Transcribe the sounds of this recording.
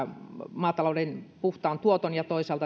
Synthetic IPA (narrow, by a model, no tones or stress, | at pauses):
mɑːt̪ɑloudenpuht̪ɑːnt̪uot̪onjɑt̪oisɑːlt̪ɑ